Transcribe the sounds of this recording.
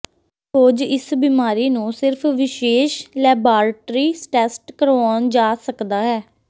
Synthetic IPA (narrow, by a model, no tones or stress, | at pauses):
toːd͡ʒɪsbimaːɾiːnũːsɪɾpʰʋɪʃeːʃlɛːbaːɾʈɾiːsʈɛːsʈkəɾɔːnd͡ʒaːsəkd̪aːɦɛː